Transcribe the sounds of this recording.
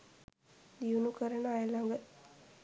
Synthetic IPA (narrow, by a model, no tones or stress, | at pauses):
d̪iunukəɾənəajəlaŋɡə